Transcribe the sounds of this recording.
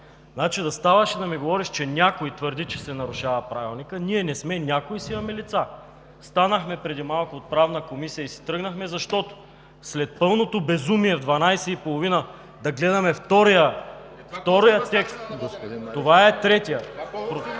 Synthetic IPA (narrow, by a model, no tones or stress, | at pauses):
znat͡ʃid̪ɐst̪avəʃɛd̪ɐmiɡovɔɾiʃt͡ʃɛnʲjakojt̪vəɾd̪it͡ʃɛsɛnɐɾʊʃavɐpɾavilˠnikəniɛnɛsmɛnʲakoisimɐmɛlit̪sa | st̪anəxmɛpɾɛd̪imalˠkʊːt̪̚pɾavnəkomisijəisi̥t̪ɾɤɡnɐxmɛzɐʃt̪ɔt̪o̥ | slɛt̪̚pɤlˠnot̪obɛzumiɛvd̪vɐnajsɛipolˠovinə | d̪ɐɡlɛd̪ɐmɛft̪ɔɾijə | ft̪ɔɾijət̪ɛkst̪t̪ovaɛt̪ɾɛt̪ijəpɾo